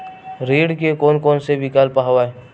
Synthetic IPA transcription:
ɾeːɽkekoːnkɔːnsebɪkaːlpaɦʋaːe

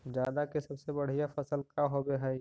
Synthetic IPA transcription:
d͡ʒjaːd̪akesɐbsebɐɽ̤ijafɐsəlkaɦobeɦai

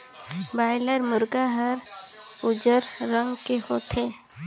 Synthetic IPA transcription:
baːɪləɾmʊɾɡaɦəɾ | ʊd͡ʒəɾɾə̃ŋɡkehoːt̪ʰeː

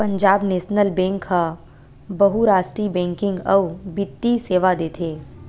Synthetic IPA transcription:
pɐ̃ɲd͡ʒaːbneːʃnəlbɛ̃ːŋkha | bɐɦuɾaːsʈɾibɛ̃ːŋkɪ̃ŋɡɐʋbɪt̪ːiseːʋad̪eːt̪ʰeː

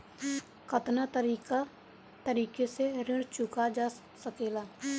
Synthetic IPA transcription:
kʰət̪nat̪əɾika | t̪əɾiːkeseɾɪ̃ɽt͡ʃʊkad͡ʒaː | səkeːlaː

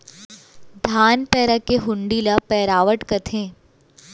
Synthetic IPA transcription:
d̪ʱaːnpɛːɾakeɦʊ̃ɳɖiːlapɛːɾaːʋəʈkɐt̪ʰẽː

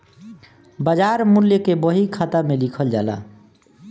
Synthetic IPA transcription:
bad͡ʒaɾmuljəkebəɦikʰat̪amelikʰəld͡ʒa̰la̰

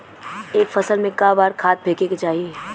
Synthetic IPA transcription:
eːkfɐsəlmẽkaːbaːɾkʰaːt̪̚bʱeːkeket͡ʃaːɦie

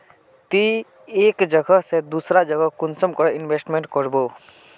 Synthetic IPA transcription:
t̪i | eːkd͡ʒəɡəɦsed̪uːsɾad͡ʒəɡəɦkʊnsəmkɔɽɪnbeːsʈmẽɳʈkɔɾboː

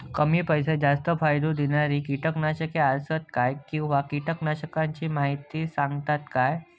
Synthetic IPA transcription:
kəmiːpəjsed͡zast̪əfʰajd̪od̪inaɾiːkiʈəknaɕəkeasət̪̚kajkĩw̃ʋakiʈəknaɕəkãɲt͡ɕiːmaɦit̪ːiːsaŋɡt̪at̪kaj

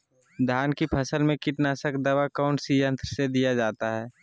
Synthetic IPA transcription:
d̪ʱjaːnkipʰəsəlmẽkɪʈnaːsəkd̪əʋakaʊ̃ɳʈsijə̃nt̪ɾəsed̪ijad͡ʒaːt̪aɦɛː

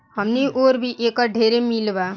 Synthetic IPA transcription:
ɦəmniʔoɾbʱiʔekaɖʱeɾemilba

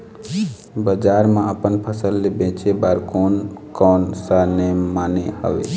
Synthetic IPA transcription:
bəd͡ʒaɾmãəpənpʰəsəlːebẽt͡ʃebaɾkonkɔnsanemanehə̰ʋḛ

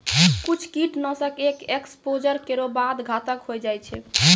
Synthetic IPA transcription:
kut͡ʃʰkiʈnɔ̃səkekekspod͡ʒəɾkeɾobad̪ɡʱat̪əkɦojd͡ʒajt͡ʃʰɛ

